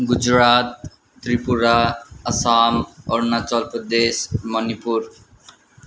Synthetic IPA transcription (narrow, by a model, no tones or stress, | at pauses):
ɡʊd͡ʒɾaːt̪̚ː | ɾipuɾaɐsaːmɔɾnat͡ʃɔlpəd̪eːsmənipuɾ